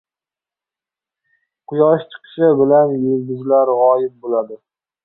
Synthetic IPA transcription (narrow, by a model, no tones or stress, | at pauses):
qʰʊjɒʃt͡ʃʰɨ̥qʰɨ̥ʃɪbɪlanjɵlɡʲʊzlaɾʁɒjɪp̚bolad̪ɪ